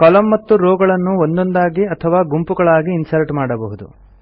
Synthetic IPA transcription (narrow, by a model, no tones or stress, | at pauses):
kɐlɐmːɐt̪ːuɾɔːɡɐɭɐnːuond̪o̞nd̪aːɡiɐt̪ʰɐʋaːɡumpuɡɐɭaːɡiːnsɐɾʈmaːɽɐbɐɦud̪ṵ